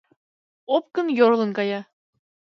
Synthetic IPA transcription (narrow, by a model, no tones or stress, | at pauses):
op̚kɤ̆njoɾlˠɤ̆ŋkɑjɑ